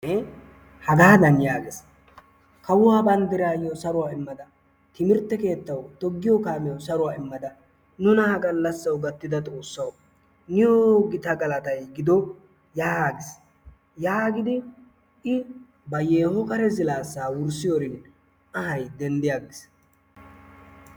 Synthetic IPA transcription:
ɛ | hɐɡaːd̪ɐnjaːɡes | kɐwʊwaːbɐnd̪ɪɾaːjosɐɾʊwaːɪmːɐd̪ɐ | t̪ɪmɪɾt̪ːɛke̞ːt̪ːɐwt̪ɔɡːɪjɔkaːmɛjɔsɐɾʊwaːɪmːɐd̪ɐ | nʊnɐhɐɡɐlːɐsːɐwɡɐt̪ːɪd̪ɐt̪ʼo̞ːsːɐw | nɪjoɡɪt̪ɐɡɐlɐt̪ɐjɡɪd̪ɔ | jaːɡɪs | jaːɡɪd̪ɪ | ɪ | bɐjeːhɔkɐɾɛzɪlaːsːaːwʊɾsɪjɔɾɪn | ɐhɐjd̪ɛnd̪ɪjaːɡɪs

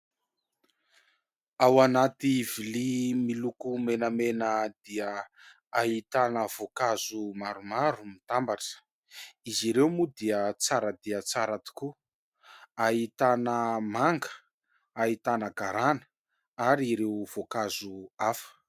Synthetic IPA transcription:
awanat̪ivilimilukumenəmenəd̪̥iə | aɦit̪anəv̥okazumaɾumaɾumit̪ambaʈ͡ʂə̥ | iziɾewmud̪iət͡saɾəd̪iət͡saɾat̪i̥ku | ait̪anəmaŋɡə̥ | ait̪anəɡaɾanə̥ | aɾiɾewv̥okazuafə̥

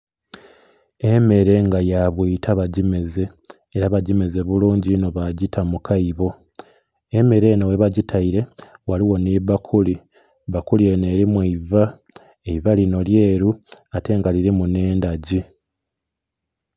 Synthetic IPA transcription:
e̞me̞ɾe̞ŋɡajaβwiːtʰaβaɟime̞ze̞ː | ɾaβaɟimeze̞βuluːɲɟino̞βaɟitʰamukʰaiβo̞ | eme̞ɾe̞nowe̞βaɟitʰaiɾe̞waliwo̞niβakʰuli | βakulie̞ne̞ːɾimwiva | eivalino̞lje̞ːɾuate̞ŋɡaliɾimune̞ːndaɟi

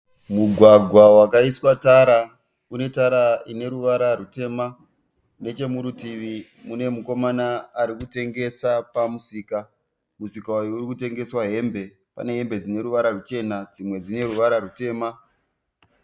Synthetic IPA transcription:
muɡʱwaɡʱwawakaiswataɾa | une̞taɾaine̞ɾuʋaɾarute̞ːma | ne̞t͡ʃe̞muɾutiʋi | mune̞muko̞manaːɾikute̞ŋɡe̞sapamusiːka | musikaujourikute̞ŋɡe̞swaɦe̞mbe̞ | pa̰ne̞ɦe̞mbe̞d͡zine̞ɾuʋaɾarut͡ʃe̞nad͡zimwe̞d͡zine̞ɾuʋaɾaɾute̞ːma

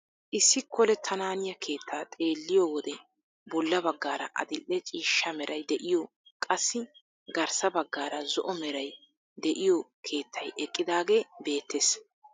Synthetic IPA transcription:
ʔɪsːɪkʰːɔlɛt̪ʰɐnaːnɪjɐkʰe̞ːt̪ʰːaːt̪ʼe̞ːlːɪjowɔd̪ɛ | bɔlːɐbɐɡːaːɾɐʔɐ̰d̪ɪlʔːɛt͡ʃʼiːʃːɐmɛɾʔɐjd̪ɛʔɪjɔ | kʼɐsːɪ | ɡɐɾsɐbɐɡːaːɾɐzɔʔɔmɛɾɐj | d̪ɛʔɪjɔkʰe̞ːt̪ʰːɐjɛkʼːɪd̪aːɡeːbe̞ːt̪ːeːs

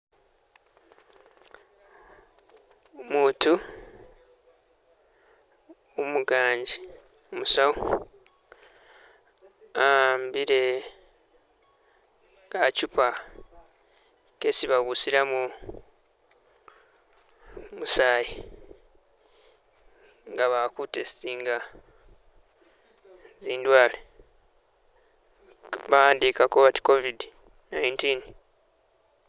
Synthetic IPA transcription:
omuːtu | omuɡaːɲɟi | omusawo | ambiɾe | kacupa | kesiβaβusiɾamu | musaːji | ŋɡaβakutesisiːŋɡa | ziːndwaːle | βaaːndikakoβati̥ko̞vidi | najintin

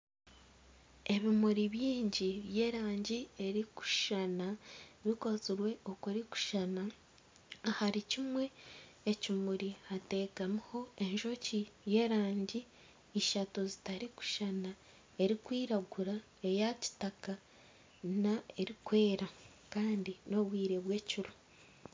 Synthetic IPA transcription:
e̞βimuɾiβiːɲɟiβje̞ːɾaːɲɟie̞ɾiku̥ʃanaβiko̞ziɾwe̞o̞kuɾiku̥ʃanaː | haɾicimwe̞ː | cimuɾihate̞ːkamuho̞e̞nʒo̞cije̞ːɾaːɲɟiː | ʃatuzitaɾiku̥ʃana | e̞ɾikwiːɾaɡuɾa | e̞jaci̥taka | nae̞ɾikwe̞ːɾa | kaːndino̞βwiːɾe̞βwe̞ːciɾo

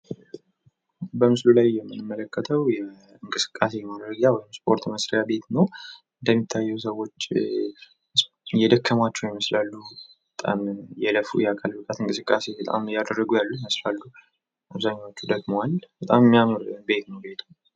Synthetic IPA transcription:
bəmɨslulajːɛmːɨnɨmːələkʰːət̪ʰəwjɛ | ɨŋkʼɨsɨ̥kʼːase̞jɛmad̪ɾəɡawɔjɪmspʼo̞ɾt̪məsɾijabe̞t̪nəwɨnd̪əmːit̪ʰːajːɛwsəwːo̞t͡ʃː | jɛd̪əkːəmat͡ʃːɛwiməslalːubbət̪ʼa̰mjɛləfṵjɛakʼʰalbɨkʼat̪ɨŋkʼɨsɨkʼːase̞bət̪ʼa̰mjad̪ərːəɡujalːuiməslalːu | ʔaβzaɲːawot͡ʃːud̪əɡmowalbət̪ʼammːiamɨɾbe̞t̪nəwbet̪ʰa

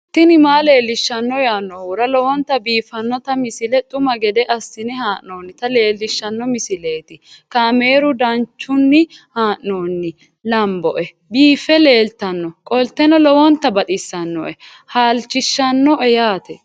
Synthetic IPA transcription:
t̪ːɪnɪmaːle̞ːlːɪʃːɐnːɔjaːnːɔwʊɾɐlɔwɔnt̪ːɐbiːfɐnːɔt̪ɐmɪsɪlɛt̪ʼʊmɐɡɛd̪ɛʔɐsːɪnɛhaːʔnoːnːɪt̪ɐle̞ːlːɪʃːɐnːɔmɪsɪle̞ːt̪ɪkaːme̞ːɾʊd̪ɐnt͡ʃːʊnːɪhaːʔnoːnːɪ | lɐmbɔʔɛ | biːfɛle̞ːlt̪ɐnːɔkʼɔlt̪ɛnɔlɔwɔnt̪ːɐbɐt̪ʼɪsːɐnːɔ̰ʔɛ | haːlt͡ʃːɪʃːɐnːɔʔɛjaːt̪ɛ

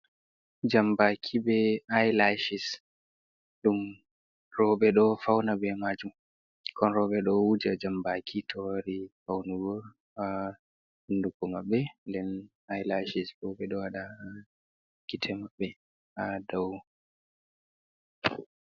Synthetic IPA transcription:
d͡ʒambakʰibɛajlaʃis | ɗum | rɔbɛɗɔfawnabɛmad͡ʒum | kʰɔnɾɔbɛɗɔwud͡ʒad͡ʒambakʰitʰɔwaɾifawnuɡɔɾ | a | hundukɔmaɓːɛdɛn | ajlaʃisbɔɓɛɗɔaɗa | kitʰɛmaɓːɛ | adaw

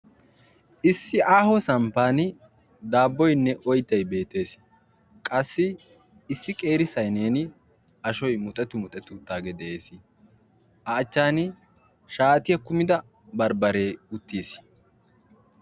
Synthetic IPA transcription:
ʔɪsːɪʔaːhɔsɐmpaːn | d̪aːbːɔjnːɛʔɔjt̪ːɐjbe̞ːt̪e̞ːs | kʼɐsːɪː | sːɪkʼe̞ːɾɪsɐjne̞ːnɪ | ɐʃɔjmʊt̪ʼɛt̪ːʊmʊt̪ʼɛt̪ːʊt̪ːaːɡɛd̪ɛʔeːsɪ | ɐːt͡ʃːaːnɪ | ʃaːt̪ɪjɐkʊmɪd̪ɐ | bɐɾbɐɾe̞ːʊt̪ːiːs

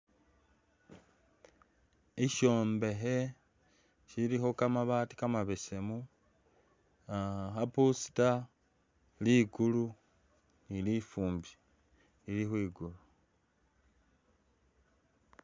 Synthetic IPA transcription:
iʃo̞ːmbe̞ɦe̞ | ʃiɾixo̞kamaβaːti̥kamaβese̞mu | axapusi̥ta | liɡulu | nilifuːmbi | lilixwiːɡulu

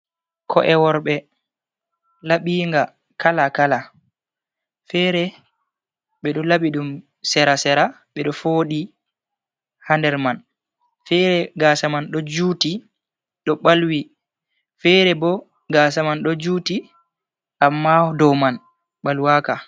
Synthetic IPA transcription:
kʰɔʔɛwɔɾɓɛ | laɓiːŋɡa | kalakala | fɛɾɛ | ɓɛɗɔlaɓiɗum | sɛɾasɛɾa | ɓɛɗɔfoːɗi | handɛɾman | fɛɾɛɡasamanɗɔd͡ʒuːti | ɗɔɓalwi | fɛɾɛbɔ | ɡasamanɗɔd͡ʒuːti | ʔamːadɔman | ɓalwaka

